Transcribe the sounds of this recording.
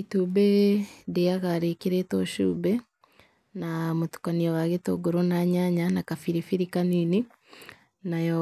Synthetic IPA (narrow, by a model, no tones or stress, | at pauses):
itubedeaɣaɾekiɾetoʃṵːbe | namotu̥kaniaβaɣeto̰ɡoɾonaɲaɲanakafiɾifiɾikanini | najo